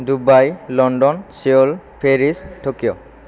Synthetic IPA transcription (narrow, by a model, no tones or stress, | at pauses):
dubajlɔndɔnsiolpʰeɹistʰokijɔ